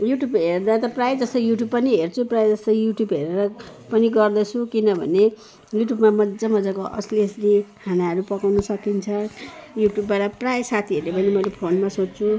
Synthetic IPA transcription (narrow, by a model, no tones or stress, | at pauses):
juʈjubɦerd̪at̪ʌprajd͡zʌst̪ʌijuʈjub̚pʌniɦert͡sʰuprajed͡zʌst̪ʌjuʈjubɦeɾeɾʌ | pʌniɡʌrd̪ʌt͡sʰukinʌbʱʌ̰ne | juʈjubmamʌd͡zʌmʌd͡zʌkoʔʌ̰sleslihanaɦʌɾupʌkawnʌsʌkint͡sʰʌjuʈjubːaʈʌprajsat̪ʰiɦʌɾlepʌnimʌlepʰonmasott͡sʰu